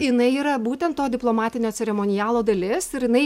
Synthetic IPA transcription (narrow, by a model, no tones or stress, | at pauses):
jɪnɐɪiːɾɐbuːt̪ʲɛnt̪t̪ːoːd̪ʲɪplˠoːmɑːt̪ʲɪnʲoːsʲɛɾʲɛmoːnʲɪjæːlˠoːd̪ɐlʲɪsɪɾjɪnɐɪ